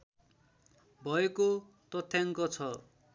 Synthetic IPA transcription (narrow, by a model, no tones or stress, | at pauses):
bʱʌeko | t̪ʌt̪ʰːjaŋkot͡sʰʌ